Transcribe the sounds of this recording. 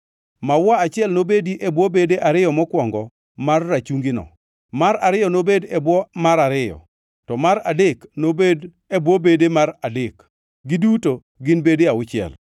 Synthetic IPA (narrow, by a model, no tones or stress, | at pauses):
mawaat͡ʃɪɛlnobediʔebwɔbedeʔaɾɪjɔmɔkwɔŋɡɔ | marːat͡ʃuŋɡɪnɔ̰ | maɾaɾɪjɔnobedɛbwɔmaɾaɾɪjɔ̰ | tɔmaɾadeknobed | ebwɔbedemaradɪk | ɡɪduto | ɡɪnbediaʊt͡ʃɪɛ̰l